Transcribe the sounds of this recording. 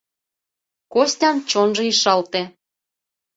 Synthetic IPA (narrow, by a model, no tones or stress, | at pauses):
kosʲtʲɑmt͡ɕonʒɤiʃɑlt̪ĕ